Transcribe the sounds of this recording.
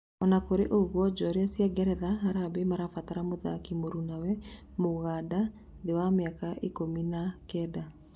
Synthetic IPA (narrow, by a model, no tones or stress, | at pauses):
ɔnakoɾeʔoɣwɔd͡ʒɔɾeasjaɡɛɾɛðaɦaɾabemaɾafataɾamoða̰kimoɾunawɛmoɣada | dewameakaʔikominakɛda